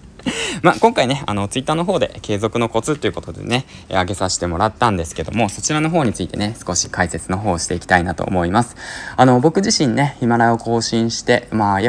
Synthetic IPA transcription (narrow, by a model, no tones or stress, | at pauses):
maːkõ̞ŋkaine̞a̰no̞t͡sɨit̪ːaːno̞ɦo̞ːd̪e̞̰ke̞ːzo̞kɯ̟no̞ko̞t͡sɨt̪ːo̞iɯ̟ko̞t̪o̞d̪e̞̰ne̞̰ | aɡe̞saɕi̥t̪e̞mo̞ɾat̪ːãnd̪e̞sɨ̥ke̞d̪o̞̰mo̞so̞t͡ɕiɾano̞ɦo̞ːɲ̟it͡sɨit̪e̞nesɨ̥ko̞ɕi̥kaise̞t͡sɨno̞ɦo̞ːɕi̥t̪e̞ikʲi̥t̪ainat̪o̰ːmo̞imasɨ̥ano̞bo̞kɯ̟ʑiɕĩnnːe̞çimaɾao̞ko̞ːɕĩɰ̃ɕi̥t̪e̞maːja